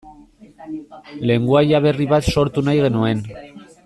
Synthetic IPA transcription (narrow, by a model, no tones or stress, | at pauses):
le̞ŋɡuajaβe̞riβat̪so̞ɾt̪unajɣ̞e̞nue̞n